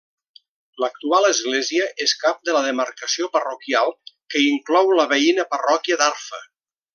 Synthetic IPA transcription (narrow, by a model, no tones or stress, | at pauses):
lək̚t̪ualˠəzɣleziəʔeskap̚d̪ələðəməɾkəsiopərokjalˠkəiŋklɔwləβəinəpərɔkiəd̪aɾfə̰